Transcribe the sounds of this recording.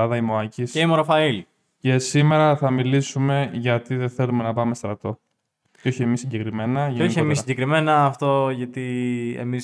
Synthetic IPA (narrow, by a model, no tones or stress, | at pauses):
ɐðɐimoɐcisceimoɾɐfɐil | ce̞sime̞ɾɐθɐmilisume̞ʝɐt̪iðeθe̞lume̞nɐpɐme̞st̪ɾɐt̪o̞ | o̞çie̞misːiɟekɾime̞nɐʝoçiemisiɟekɾime̞nɐːft̪o̞ʝɐt̪iḛmi